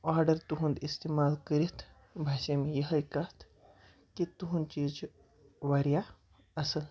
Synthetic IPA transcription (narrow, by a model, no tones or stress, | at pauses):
aːɾɖəɾt̪uɦũnd̪ist̪eːmaːlkəɾit̪ʰ | bʱaːʃemejəɦɐjkat̪ʰ | kit̪uɦũnt͡ʃiːd͡ʒ | ʋaɾja | ɐsɐl